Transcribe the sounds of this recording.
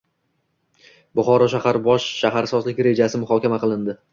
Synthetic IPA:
bʊχɒɾɒʃahaɾbɒʃʃahaɾsɒzlɪkʲɾe̞d͡ʒasɪmʊχɒkʲamaqɨlˠɪnd̪ɪ

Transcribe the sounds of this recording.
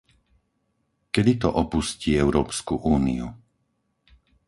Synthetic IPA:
kɛd̪it̪ɔʔɔpusciːɛʊɾɔːpskuʔuːnḭu

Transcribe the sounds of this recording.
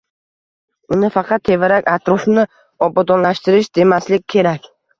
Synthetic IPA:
ʊnɪfɑqʰɑt̪ʰːe̞vɪɾakʲat̪ɾɒfnɪ | ɒbɒd̪ɒnlaʃt̪ɪɾɪʃd̪e̞maslɪk̚ʲkʰʲːe̞ɾakʲ

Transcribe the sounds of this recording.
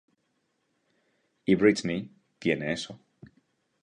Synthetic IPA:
ibɹitmi | t̪jeneeso

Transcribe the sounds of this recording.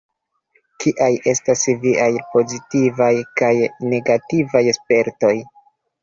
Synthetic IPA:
kiʔaje̞stasviʔajpo̞zitivajkajne̞ɡativajspe̞ɾto̞j

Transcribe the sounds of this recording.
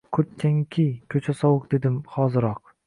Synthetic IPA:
kʰɵt̪̚t͡ʃʰaŋkʲʰijkʰɵt͡ʃʰasɒwʊqd̪e̞d̪ɪmχɒːzɪɾɒq

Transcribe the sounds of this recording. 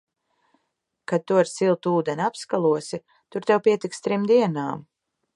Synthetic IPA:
kad̪̚t̪ːuaɾsilˠt̪uːd̪ɛnʲapskalˠuɔsi | t̪uɾt̪ɛwpiɛt̪ikst̪ɾimd̪iɛnaːm

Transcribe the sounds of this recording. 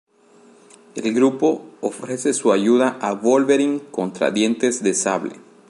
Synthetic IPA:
ḛlɡɾupo̞ːfɾe̞se̞suaʝuðaʔaβolβe̞ɾiŋkont̪ɾa̰ðje̞nt̪e̞zðe̞saβlḛ

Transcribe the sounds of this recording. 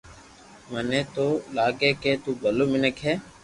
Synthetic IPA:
mənẽːt̪oːlaːɡeːkeːt̪uːbʱəloːmɪnəkɦɛː

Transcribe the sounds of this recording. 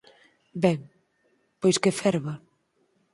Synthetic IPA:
bɛŋ | pojskefɛɾβa

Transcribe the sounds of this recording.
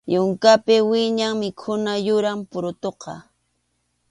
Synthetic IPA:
jʊŋkapɪwɪɲaŋmɪkʰʊnajʊɾampʊɾʊt̪oqɑ

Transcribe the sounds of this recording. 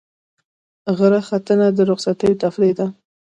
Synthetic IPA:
ɣəɾaxat̪ənad̪əɾʊqsat̪ajot̪aflajd̪a

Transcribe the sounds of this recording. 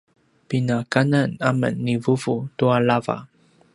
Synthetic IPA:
pinakananamə̰nːivuvutuaɭava̰

